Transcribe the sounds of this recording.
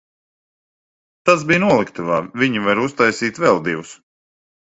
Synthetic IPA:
t̪asbijnuɔlˠikt̪uvaːvʲiɲivaɾust̪ajsiːt̪vɛlˠd̪ivus

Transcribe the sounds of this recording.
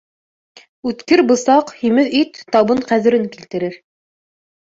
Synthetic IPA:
ʉt̪kɘɾbɤ̆sɑqhimɘðit̪ːɑβɤɴqæðɘ̆ɾɘŋkilt̪ɘ̆ɾɘɾ

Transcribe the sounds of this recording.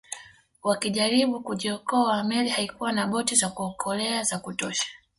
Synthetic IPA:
wakiʄaɾiɓukuʄiɔkɔamɛlihaikuwanaɓɔtizakuɔkʰɔlɛazakutɔʃḁ

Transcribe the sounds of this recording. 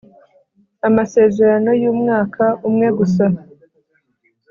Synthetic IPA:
amase̞ze̞ɾano̞juːmŋaːkʰaʔumŋe̞ɡusa

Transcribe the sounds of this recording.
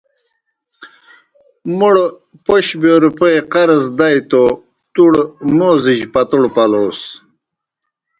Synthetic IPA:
muɽ | poɕboːɾupojqɐɾɐzd̪ajt̪o | t̪uɽmoːziʑpɐt̪uɽpɐloːs

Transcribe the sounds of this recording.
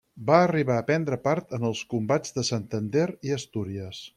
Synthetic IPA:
baəriβaəpɛnd̪ɾəpaɾt̪ənəlˠskumbad͡zðəsənt̪ənd̪eɾiəst̪uɾiəs

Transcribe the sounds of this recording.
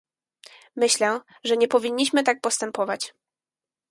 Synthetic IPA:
mɘɕlɛ | ʐɛɲɛpɔvʲiɲːiɕmɘt̪ak̚pɔst̪ɛmpɔvat͡ɕ

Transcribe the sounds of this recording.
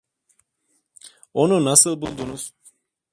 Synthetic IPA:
onunasɨlˠbulˠd̪unuz̥

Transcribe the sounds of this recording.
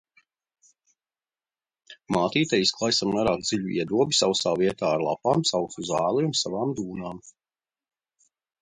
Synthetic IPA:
maːt̪iːt̪ajisklˠajsamnaɾaːk̚d̪z̥iʎuḭɛd̪uɔbisawst̪aːviɛt̪aːɾlˠa̰paːmsawsuzaːlˠiunsavaːmd̪uːnaːm

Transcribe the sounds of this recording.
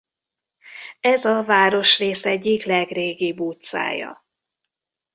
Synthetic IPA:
ɛzɒvaːɾo̞ʃreːsɛɟːiklɛɡreːɡibuːt̪sa̰ːjɒ̰

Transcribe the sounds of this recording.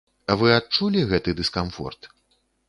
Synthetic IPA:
ɐvɨat̚t͡ʂulʲiɣɛt̪ɨd̪ɨskamfɔ̰rt̪

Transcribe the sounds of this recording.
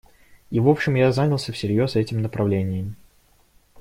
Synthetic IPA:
ivo̞pɕːɪmjazanʲɪlˠsʲəfsʲɪɾʲjo̞sɛtʲɪmnəpɾɐvlʲenʲɪjəm

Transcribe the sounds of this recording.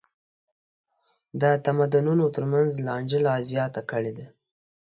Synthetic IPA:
d̪ət̪amad̪ʊnunot̪əɾmanzlɑɳd͡ʒəlɑzjɑt̪akəɽed̪a

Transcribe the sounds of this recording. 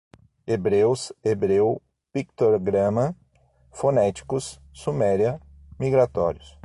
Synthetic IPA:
ebɾewsebɾew | pikt̪oɾɡɾɐ̃mɐ | fonɛt͡ʃi̥kʊsː | umɛɾjɐ | miɡɾat̪ɔɾjʊs

